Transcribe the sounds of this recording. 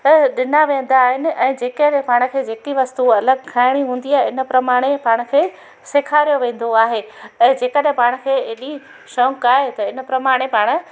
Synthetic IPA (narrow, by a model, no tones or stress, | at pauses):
ɗɪnaʋẽːn̆d̪aːɦɪnɪ̆ʔɛ̃ːd͡ʑeːkəɗ̃paːɽ̃ʊ̆kʰeːd͡ʑeːkiʋɐst̪uɐləɡ̚kʰaːɪɽ̃iɦũːn̆d̪iaːɦeɪnə̆pɾɐmaːɽ̃epaːɽ̃ʊ̆kʰeː | sekʰaːɾijoʋẽːn̆d̪oaːɦeɛ̃ːd͡ʑeːkəɗɦɪ̃paːɽ̃ʊ̆kʰeːeːɗi | ʃɐ̃kaːɦet̪ɐɪnə̆pɾɐmaːɽ̃epaːɽ̃ʊ̆